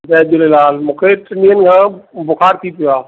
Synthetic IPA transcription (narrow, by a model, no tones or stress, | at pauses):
zɛːdolelaːlmũːkʰeʈɪnĩːənɪ̆kʰãːbʊkʰaːɾt̪ʰipijoaː